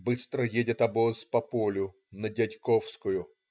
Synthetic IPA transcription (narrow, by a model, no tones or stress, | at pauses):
bɨst̪ɾəjedʲɪt̪ɐbospɐpolʲʊ | nədʲɐtʲkofskʊjʊ